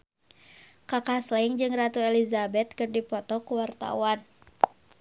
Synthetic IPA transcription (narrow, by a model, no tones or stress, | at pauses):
kakaslɛiŋd͡ʒɨŋrat̪uɛlizabɛt̪̚kɨrdipɔt̪ɔkuwart̪a̰wan